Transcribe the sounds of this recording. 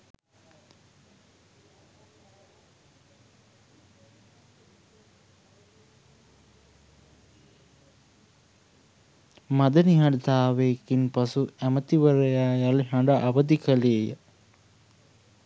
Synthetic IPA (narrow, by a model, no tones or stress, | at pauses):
mad̪əniɦaɖət̪aːʋeːkinpasuæmət̪iʋəɾəjaːjaliɦaɳɖaʔaʋəd̪ikəleːjə